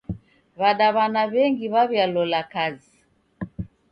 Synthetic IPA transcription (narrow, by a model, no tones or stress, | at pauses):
βaɗaβanaβɛŋɡiβaβjalɔlakazi